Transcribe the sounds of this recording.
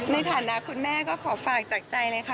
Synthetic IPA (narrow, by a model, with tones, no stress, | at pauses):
na˧jt̪ʰaː˨˩˦na˦˥ʔkʰu˧nmɛː˥˩kɔː˥˩kʰɔː˩˦faː˨˩k̚t͡ɕaː˨˩k̚t͡ɕa˧jlɤː˧jkʰa˦˥˩